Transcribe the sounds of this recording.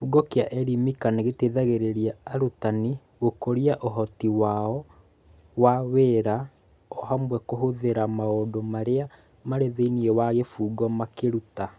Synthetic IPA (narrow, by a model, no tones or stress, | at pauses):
fuɡɔkeaʔɛɾimikaneɣeteðaɣeɾeɾiaaɾutani | ɣokoɾiaʔoɦɔtiwaɔ | waweːɾa | ɔɦamwɛkoɦoðeɾamaodomaɾea | maɾeðeiniɛwaɣefuːɡɔmakeɾuta